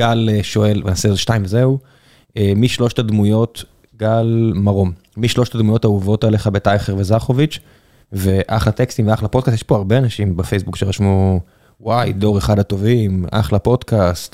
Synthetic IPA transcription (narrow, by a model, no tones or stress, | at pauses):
ɡalʃoe̞lvenasezeʃtajimvzeu | emiʃlo̞ʃtadmujo̞t | ɡalmaʁo̞m | miʃlo̞ʃtadmujo̞tauvo̞tale̞χabetajχeʁvezaχo̞vit͡ʃ | veʔaχlat̪ekst̪imveaχlapod̥̚kast̪jeʃpoaʁbeanaʃimbefe̞jsbukʃeʁaʃmu | wajdo̞ʁeχadato̞vima̰χlapo̞dkast̪